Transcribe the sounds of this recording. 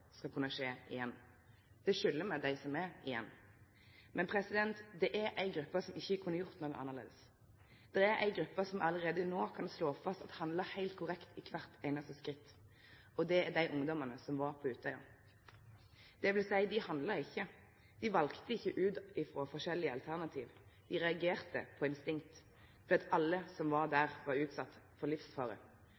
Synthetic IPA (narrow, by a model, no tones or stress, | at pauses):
skɑlkʰʉnːəʂeːɪjɛnː | d̪̥ɛʂʏlːəmɛd̪æɪsɔmæɾɪjɛ̰nː | mɛnpʰɾɛsɪd̪ɛnt̪d̪ɛʔæɾʔæɪɡɾʉpːəsɔmɪçːəkʰʉnːəjʊʁt̪noːɡəʔɑ̰nːəʁlḛːd̪əs | d̪̥ɛæɾæ̰ɪɡɾʉpːəsɔmʔɑləʁeːd̪ənoːkʰɑnsloːfɑst̪ɑt̪hɑnd̪ləhæɪlt̪̚kʰʊʁɛkt̪ɪkʰʋæʁt̪æɪnɑst̪əskʁɪt̪ː | ɔd̪ɛæd̪æɪʔʊŋd̪ɔmənəsɔmʋɑʁpʰɔʉːt̪œʏə̰ | d̪̥ɛʋɪlsæɪd̪ɪhɑnd̪ləɾɪçːə | d̪̥ɪʋɑlkt̪əɪçːəʔʉːd̪ɪfʁoːfɔʂɛlːɪəɑ̰lt̪ʰæʁnɑt̪ʰiːʋd̪ɪʁɛɑɡeːʁt̪ə̰pʰɔɪnst̪ɪŋt̪ | d̪iːɑt̪ɑlːəsɔmʋɑʁd̪æːʁʋɑʁʉːt̪sɑt̪ːfɔlɪfsfɑ̰ːɾə̰